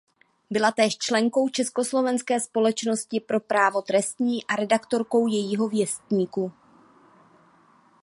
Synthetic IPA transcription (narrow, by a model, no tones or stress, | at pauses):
bɪlat̪ɛːʃt͡ʃlɛŋko̞wt͡ʃɛsko̞slo̞vɛnskɛːspo̞lɛt͡ʃno̞scɪpɾo̞pɾaːvo̞t̪ɾɛst̪ɲiːʔaɾɛdakt̪o̞ɾko̞wjɛjiːɦo̞vjɛst̪ɲiːku